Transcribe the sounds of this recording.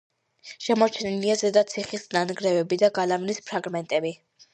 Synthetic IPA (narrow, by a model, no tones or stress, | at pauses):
ʃɛmɔɾt͡ʃʰɛniliazɛd̪at̪sʰiχisnanɡɾɛvɛbid̪aɡalavnispʰɾaɡmɛnt̪ʼɛbi